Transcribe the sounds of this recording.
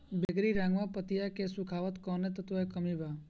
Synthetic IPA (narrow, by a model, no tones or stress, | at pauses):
beɡɾiɾãːŋɡʋapət̪ijakesukʰaːʋət̪kɔnet̪ət̪ʋoekəmiʋa